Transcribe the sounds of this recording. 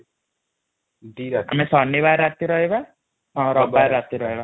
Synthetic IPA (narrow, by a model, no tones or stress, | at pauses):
d͡ʒiɾa̰mesɔnːibaɾat̪iɾɔɦeba | ɔ̃ɾɔbaɾːat̪iɾɔɦeba